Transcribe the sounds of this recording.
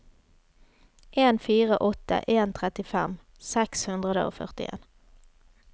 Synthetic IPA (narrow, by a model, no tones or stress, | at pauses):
ʔeːnfiːʁəʔɔt̪ə̰ʔeːnt̪ʰʁɛt̪ɪfɛm | sɛkshʉnd̪ʁəd̪ə̰o̰ːfœ̰ʁt̪ɪ̰ʔḛːn